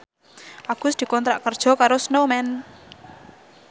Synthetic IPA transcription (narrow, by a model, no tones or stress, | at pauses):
ʔaɡ̥ʊ̤sd̪̥i̤kɔnt̪ɾaʔkərd̥ʒ̥ɔ̤kaɾosnomɛn